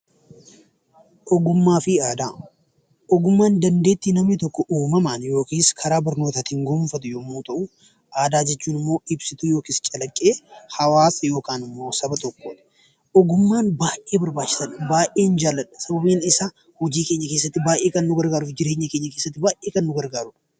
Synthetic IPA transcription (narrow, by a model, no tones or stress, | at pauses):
ʔɔɡʊmːaːfɪaːd̪aː | ʔɔɡʊmːaːnd̪ɐnd̪e̞ːt̪ːinɐmnɪt̪ɔkːɔʔuːmɐmanjo̞ːkiːskʰɐɾaːbɐɾnoːt̪at̪hɪŋɡɔmfɐt̪ʊjomːuːt̪ɐʔʊ | ʔaːd̪aːd͡ʒɛt͡ʃːuːnɪmːo̞ːɪbsɪt̪ʊjo̞ːkiːst͡ʃʼɐlɐkʼːeːhɐwaːsɐjo̞ːkaːnɪmːo̞ːsɐbɐt̪ɔkːoːᶑɐ̥ | ʔɔɡʊmːaːnbaːʔeːbɐɾbaːt͡ʃːɪ̥sɐnɐbaːʔeːnd͡ʒaːlɐᶑɐ̥sɐbɐbeːnɪsaː | hʊd͡ʒiːke̞ːɲːɐke̞ːsːɐt̪ːɪbaːjʔe̞ːkɐnːʊɡɐɾɡaːɾʊfd͡ʒɪɾe̞ːɲːɐkeːɲːɐke̞ːsːɐt̪ːɪbaːʔʔeːkɐnːʊɡɐɾɡaːɾʊᶑɐ̥